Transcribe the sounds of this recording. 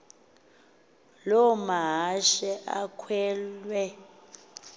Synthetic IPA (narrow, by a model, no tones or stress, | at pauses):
lɔmaɦaʃɛʔakʰwɛːlwɛ